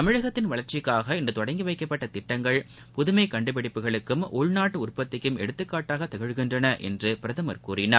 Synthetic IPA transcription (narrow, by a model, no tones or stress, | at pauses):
t̪ɐmɪɻɐɣɐt̪ːɪnʋɐɭɐɾt͡ʃɪkːaːɣɐɪndɯt̪ɔɽɐɪŋɡɯʋɐɪkːɐpːɐʈːɐt̪ɪʈːɐŋɡɐɭ | pʊðʊmɐɪkːɐɳɖɯpɐɽɪpːɯɣɐɭɯkːɯmʔʊɭnaːʈːɯʊrpɐt̪ːɪkːɯmɛ̰ɽɯt̪ːɯkːaːʈːaːɣɐt̪ːɐɣɐɻɣɪndrɐnɐʔɛ̰ndrɯpɪɾɐðɯmɐɾkuːrɪnɐ